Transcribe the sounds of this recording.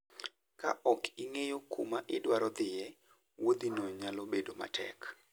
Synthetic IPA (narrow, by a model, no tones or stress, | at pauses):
ka̰ʔɔkiŋejokṵmaʔɪdwaɾɔd̪ɪjɛ | wod̪inoɲalobedoma̰tʰɛ̰k